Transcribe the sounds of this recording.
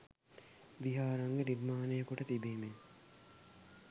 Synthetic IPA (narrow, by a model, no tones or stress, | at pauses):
ʋiɦaːɾaŋɡeniɾmaːnejəkuʈət̪ibiːme